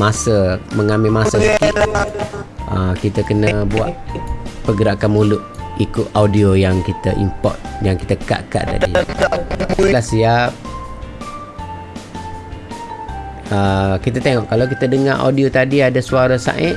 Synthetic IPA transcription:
masəməŋamɪmasəsəkiʔ | əkit̪əkənəbua̰ʔ̪̚pəɡəɾakanmulʊʔikʊʔaudiojaŋkit̪əʔḭmpɔ̰t̪̚jaŋkit̪əka̰ʔka̰ʔda̰di | lasiap̚ | əkit̪ət̪eŋɔʔkalawk̬it̪ədəŋaʔa̰wdiot̪adiadasuaɾasa̰ʔɪʔ

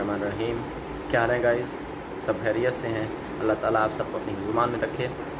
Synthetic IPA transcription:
maːneɾɐɦiːm | kjaːlɛ̃ːɡaːɪz | sɐbɦeːɾijət̪seɦɛ̃ | ɐlːaɦt̪aːlaːpsɐb̚koɐpniɦʊzʊmaːnmẽɾɐkʰːẽː

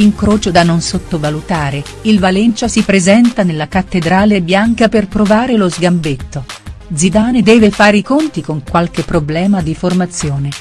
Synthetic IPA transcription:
iŋkɾoːt͡ʃod̪anːonsot̪ːovalut̪aːɾe | ilvalent͡ʃasipɾezɛnt̪anelːakat̪ːed̪ɾaːlebjaŋkaperpɾovaːɾelozɡambet̪ːod̪zid̪aːned̪ɛːvefaːɾeikont̪ikoŋkwalk̟epːɾoblɛːmad̪iformat̪sːjoːne

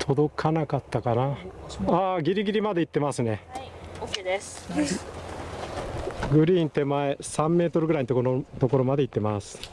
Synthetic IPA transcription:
t̪ʰo̞d̪o̞kʰanakat̪ːakanaaːɡʲiɾʲiɡʲiɾʲimad̪e̞it̪ːe̞masɨneked̪es | ɡɯ̟ɾʲiːnt̪e̞mae̞sãmːe̞ːt̪o̞ɾɯɡɯ̟ɾaiɲit̪ot̪o̞ko̞ɾo̞mad̪e̞it̪ːe̞masɨ̥

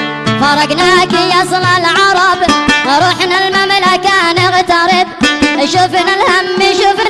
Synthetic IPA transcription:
fɑɾˤɑɡnakijɑsˤlalʕɑɾˤɑbɾˤuːħnalmamlakaːnɪɣt̪ɑɾˤɪb̚ʃufnalhamːiʃuf

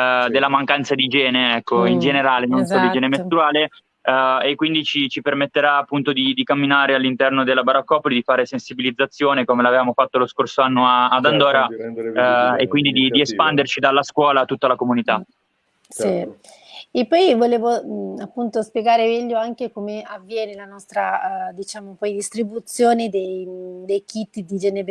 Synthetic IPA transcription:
d̪elːamaŋkant̪sad̪id͡ʒɛːneeɛkːoind͡ʒeneɾaːlenonsodid͡ʒɛːnemest̪uaːle | ekːwind̪it͡ʃit͡ʃipermet̪ːeɾaːpːunt̪od̪id̪ikamːinaːɾealːint̪ɛrnod̪elːabaɾakːɔːpolid̪ifaːɾesensibilid̪zːat̪sːjoːnekomelavevaːmofat̪ːoloskorsoanːoaːd̪and̪ɔːɾa | ekːwind̪id̪id̪iespand̪ert͡ʃid̪alːaskwɔːlat̪ːut̪ːalakomunit̪a | si | epːɔjvoleːvoapːunt̪ospjeɡaːɾemɛʎːoaŋkekomeavːjɛːnelanɔst̪ɾad̪it͡ʃaːmopɔjd̪ist̪ɾibut̪sjoːned̪ejd̪ejkit̪ːd̪id͡ʒɛːneb

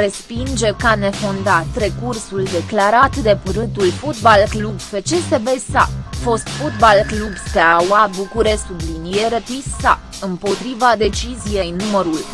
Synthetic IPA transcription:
ɾe̞spind͡ʒe̞kane̞fond̪at̪ɾe̞kursuld̪e̞klaɾat̪d̪e̞puɾɨnt̪ulfot̪balklubfet͡ʃesebesafo̞st̪fut̪balklubspeawabukuɾessublinije̞ɾet̪issa | ɨmpo̞t̪ɾivad̪e̞t͡ʃizije̞jnuməɾul

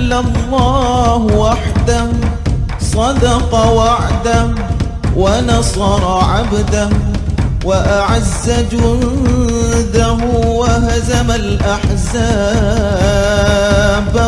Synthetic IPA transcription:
lːalˤːɑːhwaħd̪a | sˤɑd̪ɑqɑwaʕd̪a | wanɑsˤɑɾˤɑʕabd̪ahwaʔaʕazːad͡ʒʊn | d̪aɦʊwaɦazamalʔaħzaː | b

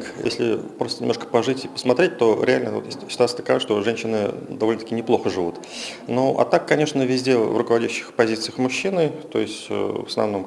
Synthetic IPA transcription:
kjḛsʲlʲɪ̰pɾo̞st̪ənʲɪmoʂkə̥pɐʐɨtʲɪpə̥smɐt̪ɾʲet̚ʲt̪o̞ɾʲɪalʲnəvot̪jesʲtʲsːɪt̪ʊat̪sət̪əkɐvaʂt̪o̞ʐɛnʲɕːɪnɨd̪ɐvolʲnət̪akʲɪnʲɪplˠo̞xəʐɨvut̪ | noʔɐ̰t̪akːɐnʲe̞ʂnəvʲɪzʲdʲe̞vrʊkəvɐdʲæɕːɪ̥xpɐzʲit̪sɨjəxmʊɕːinɨt̪o̞̰jɪsʲtʲvəsnɐ̰vno̞m

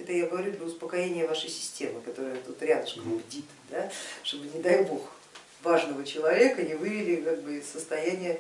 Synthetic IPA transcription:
ɛt̪əjaɡəvɐɾʲud̪ɾəʊspəkɐjenʲɪjəvaʂəjsʲɪ̥sʲtʲe̞mɨkɐt̪o̞ɾəjət̪ut̪ɾʲad̪əʂkvdʲit̪ɨd̪aʂt̪o̞bɨnʲɪd̪ajbo̞x | vaʐnəvət͡ɕɪlˠɐvʲe̞kəɪvɨvʲɪlʲɪkaɡ̚bɨɪssːəst̪ɐjænʲɪjə

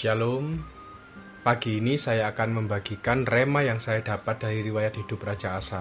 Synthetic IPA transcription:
ʃalom | paɡ̥iːnisajaːkanməmbaɡ̥ikanremajaŋsajad̥a̤pat̪̚d̥a̤ɾiɾiwajat̪̚ɦid̥ʊp̚rḁd͡ʒ̥aːsa

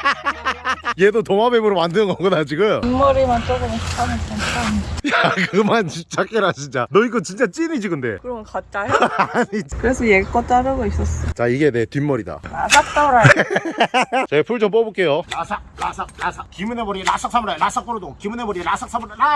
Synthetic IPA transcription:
jedotoŋabemuɾɯmandɯnɯnɡʌŋɡʌnad͡ʑiɡujomʌɾimant͡ɕ͈oɡɯmɕʰi̥k͈anesankajakɯmanɕip̚t͡ɕ͈ak͈ʰeɾaɕʰind͡ʑanʌiɡɯt͡ɕint͡ɕ͈at͡ɕ͈inid͡ʑiɡɯnde̞̰kɯɾʌkat͡ɕ͈ajɲit͡ɕkɯɾesʰʌjeɡik͈ʌt͈aɾɯɡois͈ʌs͈ʌt͡ɕaiɡe̞netimːʌɾida̰ɾasʰak̚s͈amɾa | t͡ɕepʰuɭd͡ʑomp͈ʌbok͈e̞joɾasʰaɾasʰak̚ɾasʰakimunebʌɾiɾasʰak̚s͈ʰamɾaɾasʰak̚p͈oɾodoŋkimunebʌɾiɾasʰaks͈ʰamɾaɾa

